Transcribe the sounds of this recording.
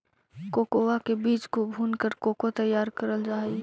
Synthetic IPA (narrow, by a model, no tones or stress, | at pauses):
koːkowakebiːt͡ʃkobʱuːnkəɾkoːkot̪əjːaːɾkəɾəld͡ʒaːi